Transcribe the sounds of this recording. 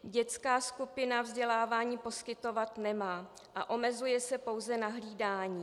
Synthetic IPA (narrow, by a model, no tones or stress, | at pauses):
ɟɛt͡skaːskupɪnavzɟɛlaːvaːɲiːpo̞skɪt̪o̞vat̪nɛmaː | ʔaʔo̞mɛzujɛsɛpo̞wzɛnaɦliːdaːɲiː